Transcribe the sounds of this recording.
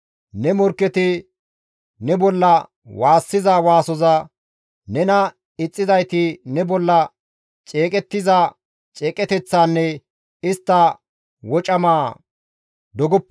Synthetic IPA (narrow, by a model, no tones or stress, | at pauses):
nɛmɔɾkːɛt̪ɪ | nɛbɔlːɐ | waːsːɪzawaːsɔzɐ | nɛnɐ | ɪt͡sʼːɪzɐjt̪ɪnɛbɔlːɐ | t͡ʃʼe̞ːkʼɛt̪ːɪza | t͡ʃʼeːkʼɛt̪ɛt͡sːaːnːɛ | ɪst̪ːɐ | wɔt͡ʃʼɐmaː | d̪ɔɡɔpː